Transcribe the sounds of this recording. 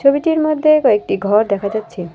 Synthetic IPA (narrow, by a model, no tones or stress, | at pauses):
obiʈiɾmod̪ʱːekɔek̚ʈiɡʱɔɾd̪ɛkʰad͡ʑatːɕʰi